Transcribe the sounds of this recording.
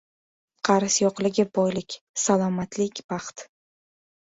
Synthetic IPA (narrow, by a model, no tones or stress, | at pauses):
qʰɑɾɪsjɒqlɪɡʲɪbɒjlɪkʲ | salˠɒmat̪ʰlɪkʲb̥ɑχt̪